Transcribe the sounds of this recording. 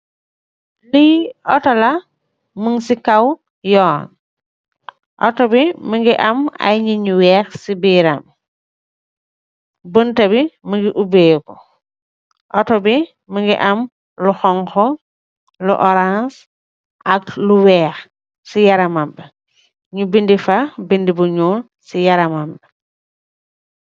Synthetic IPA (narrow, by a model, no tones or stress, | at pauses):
liʔɔtɔlɐ | məŋsikɐw | jɔːn | ʔɔtɔbiməŋɡiʔɐma̰jɲiɲwɛːxsibiːɾa̰m | bəntɐbiməŋɡiʔubejkɔ | ʔɔtɔbi | məŋɡḭʔɐm | luxɔŋxɔ | lṵʔɔɾãns | ʔakluwɛːx | sijaɾamambɛ | ɲubindifabindibuɲoːn | sijaɾamambɛ